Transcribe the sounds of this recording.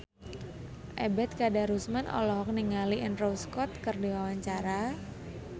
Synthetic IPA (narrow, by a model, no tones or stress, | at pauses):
ʔɛbɛt̪̚kadaɾusmanʔɔ̰lɔɦɔk̚niŋaliʔənrowskɔt̪̚kərdiwawaɲt͡ʃaɾa